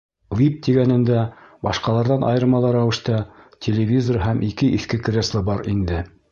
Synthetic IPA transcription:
wʲip̚t̪iɡænɘ̆nd̪æbɑʃqɑlˠɑɾðɑnʔɑ̰jɤ̆ɾmɑlˠɑɾæwɘ̆ʃt̪ɑtʲʰelʲevʲizoɾɦæmʔikɘʔiθkɘkrʲeslˠɤbɑɾind̪ɘ

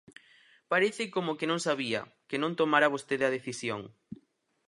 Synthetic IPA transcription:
paɾeθɪkomokenõŋsaβiɐ̰ | kenõnt̪omaɾaβost̪eðɐð̞eθisjoŋ

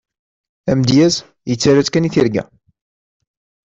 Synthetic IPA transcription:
æmd̪jæs | jət͡sːæɾæt͡skæniθiɾɡæ̰

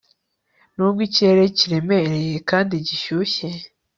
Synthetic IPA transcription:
nubɡiceɾeciɾe̞me̞ɾejekaːndiɟiʃuçe

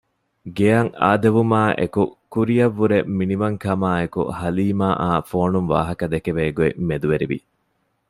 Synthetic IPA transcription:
ɡeɐŋa̰ːd̪ɐʋumaːʔḛkukuɾijɐʋːuɾeminiʋɐŋkɐmaːekṵhɐliːmaːʔaːfoːnunʋa̰ːɦɐkɐd̪ekeʋeːɡuemed̪uʋeɾiʋḭ

